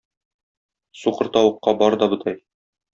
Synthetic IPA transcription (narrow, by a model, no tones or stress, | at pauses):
suqɤ̆ɾt̪ɒwɤ̆qːɑbɒɾd̪ɒbɤ̆t̪ʰɑj